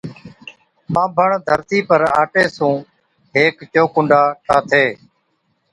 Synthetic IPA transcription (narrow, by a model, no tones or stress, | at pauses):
mãːbʱəɳd̪ʱəɾt̪iːpəɾa̰ːʈeːsũː | ɦeːkt͡ʃoːkʊɳɖʱaːʈʰaːt̪ʰeː